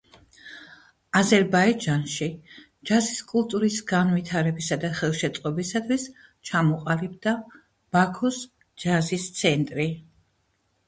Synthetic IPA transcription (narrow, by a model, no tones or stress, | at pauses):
azɛɾbaid͡ʒanʃi | d͡ʒaziskʼulˠt̪ʼuɾisɡanvit̪ʰaɾɛbisad̪aχɛlˠʃɛt̪sʼqʼɔbisat̪ʰwis | t͡ʃʰamɔqʼalib̚d̪a | b̥akʰɔs | d͡ʒazist̪sʰɛnt̪ʼɾi